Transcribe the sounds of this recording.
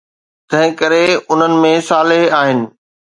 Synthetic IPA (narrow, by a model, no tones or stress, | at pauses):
t̪ɐ̃ɦɪ̃kɐɾeʊn̤ənɪ̆mẽsaːlɪɦaːɦɪnɪ̆